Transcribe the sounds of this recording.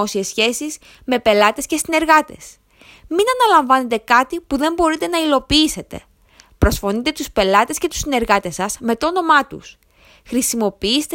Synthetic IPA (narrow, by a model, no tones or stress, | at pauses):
o̞siesːçe̞siz | me̞pe̞lɐt̪e̞sce̞sine̞ɾɣɐt̪e̞̰s | minɐnɐlɐɱvɐne̞t̪e̞kɐt̪ipuðe̞mbo̞ɾit̪e̞nɐilo̞piːse̞t̪e̞̰ | pɾo̞sfo̞nit̪e̞t̪uspe̞lɐt̪e̞sce̞t̪u̥sine̞ɾɣɐt̪e̞sɐsme̞t̪oono̞mɐt̪ṵs | xɾisimo̞piist̪